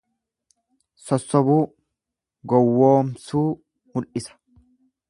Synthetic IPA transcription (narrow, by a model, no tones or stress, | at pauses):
sɔsːɔbuː | ɡɔwːoːmsuː | mʊlʔɪsɐ̥